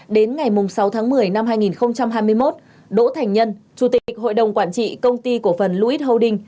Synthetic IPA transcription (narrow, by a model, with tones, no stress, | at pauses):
ɗe˨˦nŋa˨˩jmʊ˨˩ŋ͡msa˨˦wt̪ʰa˨˦ŋmɨ˨˩əjna˧mɦaː˧jŋi˨˩nxə˧wŋ͡mt͡ɕa˧mɦaː˧jmɨ˧əjmo˦˥t̚ | ɗo̰˧˥t̪ʰa˨˩ŋ̟ɲə˧nt͡ɕu˨˧˩t̪ï˨˩kk̟̚ɦo̰˧˨jɗə˨˩wŋ͡mkwaː˧˩nt͡ɕḭ˧˨kə˧wŋ͡mt̪i˧ku˧˩əfə˨˩nlu˧ʔi˦˥t̚hə˧wɗï˧ŋ̟